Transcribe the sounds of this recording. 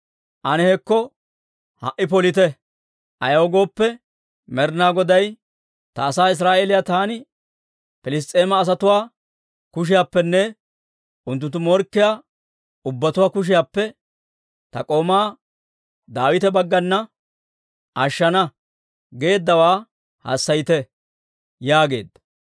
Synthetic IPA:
ʔɐnɛhɛkːɔ | hɐ̰ʔːɪpɔlɪt̪ɛ | ʔɐ̰joːɡo̞ːpːɛ | mɛɾnaːɡɔd̪ɐj | t̪ɐːsaːɪs̬ɾaːʔeːlɪjat̪aːnɪ | pɛlɪs̬t̪ʼe̞ːmɐːs̬ɐt̪ʊwaː | kʊʃ̬ɪjaːpːɛnːɛ | ʊnt̪ːʊnt̪ːʊmɔɾkːɪjaː | ʊbːɐt̪ʊwaːkʊʃ̬ɪjaːpːɛ | t̪ɐkʼoːmaː | d̪aːwɪt̪ɛbɐɡːɐnːɐ | ʔɐʃːɐnɐ | ɡe̞ːd̪ːɐwaː | ha̰sːɐjɪt̪ɛ | jaːɡe̞̰ːd̪ːɐ

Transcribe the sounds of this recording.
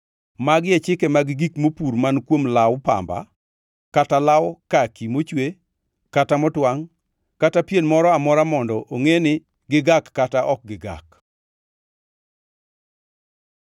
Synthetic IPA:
maɡɪɛt͡ʃɪkɛmaɡɪɡikmopuɾmankwomlawpa̰mba̰ | katalawɔkakimot͡ʃwe | katamɔtwaŋ | katapjenmɔɾɔamɔɾamɔndɔʔoŋenɪ | ɡɪɡakːataʔɔk̚ɡɪɡa̰k

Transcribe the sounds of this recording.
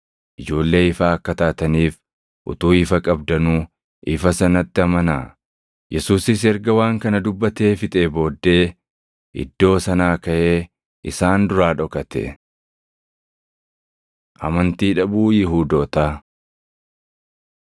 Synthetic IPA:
ʔɪd͡ʒo̞ːlːe̞ːɪfaːɐkːɐt̪aːt̪ɐniːf | ʔʊ̰t̪uːɪfɐkʼɐbd̪ɐnuː | ʔɪfɐsɐnɐt̪ːɪɐmɐnaː | jɛsuːsɪs̬ɛɾɡɐwaːŋkɐnɐd̪ʊbːɐt̪e̞ːfɪt̪ʼeːbo̞ːd̪ːe̞ː | ʔɪ̰d̪ːo̞ːsɐnaːkɐʔe̞ː | ʔɪsaːnd̪ʊɾaːᶑɔkɐt̪ɛ̰ | ʔɐ̰mɐnt̪iːᶑɐbuːjɪɦuːd̪o̞ːt̪aː

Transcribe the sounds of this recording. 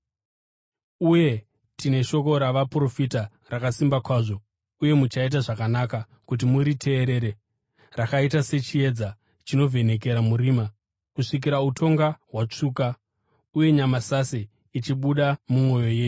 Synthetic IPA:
uje̞ | tine̞ʃo̞ko̞ɾaʋapro̞fita | rakasimbakwaːʐo̞ | uje̞mut͡ʃait̬aʐakanaka | kut̬imuɾitʰe̞ːɾe̞ːɾe | rakaitase̞t͡ʃie̞d͡za | t͡ʃino̞vʱe̞ne̞k̬e̞ɾamuɾiːma | kuʂik̬iɾautʰo̞ŋɡaɦwat͡ʂuːka | uje̞ɲamasase | it͡ʃiɓuɗamumo̞jo̞je̞ːju

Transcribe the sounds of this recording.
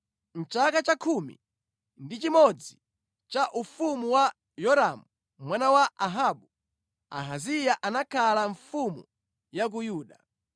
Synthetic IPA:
n̩t͡ʃakat͡ʃakʰumḭ | ndit͡ʃimɔd͡zi | t͡ʃaʔufumuwa | jɔɾamu | mwanawaaɦaɓu | a̰ɦazijaʔanakʰalaɱfumṵ | jak̬ujuːɗa

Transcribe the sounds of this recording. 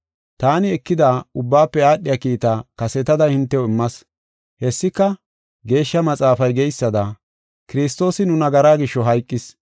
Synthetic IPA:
t̪aːnɪɛkːɪd̪aːʊbːaːpːɛaːɗɪjakiːt̪akɐsɛt̪ɐd̪ɐhɪnt̪ːɛoɪmːɐs | hɛsːɪkːɐ | ɡe̞ːʃːɐmɐt͡sʼaːfɐjɡɛjsːɐd̪ɐ | kɪɾɪst̪o̞ːsɪnʊnɐɡɐɾaːɡɪʃːɔɦɐjkʼːɪs

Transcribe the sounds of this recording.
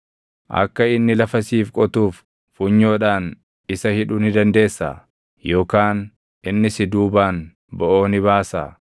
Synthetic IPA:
ʔɐ̰kːɐɪnːɪlɐfɐsiːfkʼɔt̪uːf | fʊɲːo̞ːᶑaːn | ɪsɐhɪᶑʊnɪd̪ɐnd̪e̞ːsːa̰ | jo̞ːkaːn | ʔɪnːɪsɪd̪uːbaːn | bɔʔo̞ːnɪβaːsa̰ː

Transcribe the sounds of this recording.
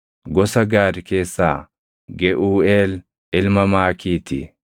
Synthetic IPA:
ɡɔsɐɡaːɾɪke̞ːsːaː | ɡɛʔuːeːl | ɪlmɐmaːkiːt̪ɪ

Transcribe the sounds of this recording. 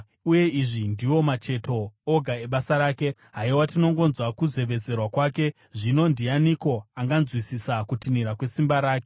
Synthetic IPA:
uje̞iʐindiwo̞mat͡ʃe̞to̞ːɡʱaeɓasaɾaːke̞ | ɦaiwatino̞ŋɡo̞nzwakuze̞ʋe̞d͡ze̞rwakwake̞ | ʐino̞ndianiko̞aŋɡanzwisisakutiniɾakwe̞simbaɾaːke

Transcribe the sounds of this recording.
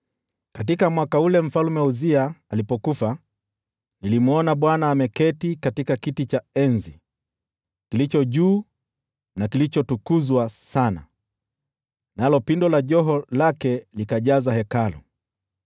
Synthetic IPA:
katikamwakaulɛm̩falumɛuziaːlipɔkufa | nilimuɔnaɓwanaːmɛkɛtikatikakitit͡ʃaɛnzi | kilit͡ʃɔʄuː | nakilit͡ʃɔtukuzwasana̰ | nalɔpindɔlaʄɔɦɔlakɛlikaʄazahɛkalɔ̰

